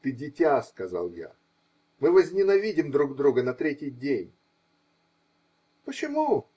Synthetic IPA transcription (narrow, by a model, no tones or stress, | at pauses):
t̪ɨdʲɪtʲaskɐza̰lˠja̰ | mɨvəzʲnʲɪnɐvʲidʲɪmd̪ɾuɡd̪ɾuɡənɐt̪ɾʲetʲɪjdʲenʲ | pət͡ɕɪmu